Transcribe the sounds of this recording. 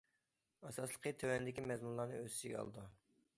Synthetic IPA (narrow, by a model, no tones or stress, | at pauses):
ɑsɑslˠəqʰət̪ʰøwɛnɪd̪ɪkʲimɛzmunlˠɑɾnɨ̰øsɪʒɪɡʲɛɑ̰lˠɨd̪u